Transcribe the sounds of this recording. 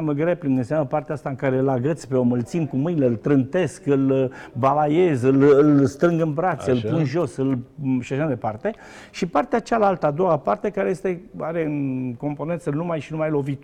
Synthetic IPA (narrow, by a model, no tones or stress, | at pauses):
aməɡɾe̞plɨnɡ̪ɨnsamnəpart̪eaast̪aɨŋkaɾe̞ɨlaɡɾət̪sʲpeo̞mɨlt̪sinkumɨjneɨlt̪ɾɨnt̪e̞skɨlbalajezɨlɨlst̪ɾɨŋɡɨnbɾat̪sʲɨlpunʒo̞sɨlʃiaʃamajd̪e̞part̪e̞ | ʃipart̪eat͡ʃalalt̪əad̪o̞wapart̪e̞kaɾeje̞st̪e̞aɾe̞ɨnko̞mpo̞nent̪sənumajʃinumajlo̞vit̪